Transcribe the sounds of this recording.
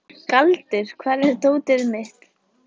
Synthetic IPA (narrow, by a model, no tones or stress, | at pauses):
kalt̪ɪɾ̥kʰvɛːɾɛðt̪oːwt̪ɪɾmɪht̪